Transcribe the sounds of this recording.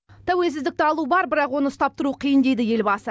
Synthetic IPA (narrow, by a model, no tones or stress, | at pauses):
t̪ʰæwe̞ls̬ɪzd̪ɪk̚t̪ɪɑlˠubɑɾbɪɾɑqwo̞nəʊst̪ɑp̚t̪əɾuqʰijənd̪e̞jd̪ɪje̞lbɑsə